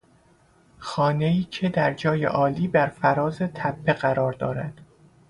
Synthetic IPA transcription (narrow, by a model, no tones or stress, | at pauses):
xɒːne̞iːcʰed̪æɾd͡ʒɒːjḛʔɒːliːbæɾfæɾɒːze̞t̪ʰæpʰːe̞ɣæɾɒːɾd̪ɒːɾæd̪̥